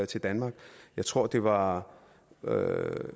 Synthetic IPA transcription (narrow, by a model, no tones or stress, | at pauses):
t͡sʰe̝ld̥ænmɑ̈ːɡ̥jɑ̈ɪt͡sʰʁo̝ɐ̰d̥e̝ʋɑ̈ | ø̰